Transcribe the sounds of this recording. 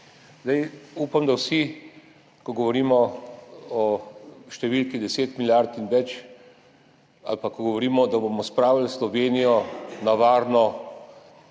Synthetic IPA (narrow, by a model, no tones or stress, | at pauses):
zd̪ajuːpamd̪awsi | kɔɡɔʋɔɾiːmɔ | ɔʃt̪ɛʋilkid̪ɛseːt̪miljaɾt̪inʋɛt͡ʃ | a̰lpakɔɡɔʋɔɾiːmɔd̪aboːmɔspɾaːwalslɔʋeːnijɔnaʋaːɾnɔ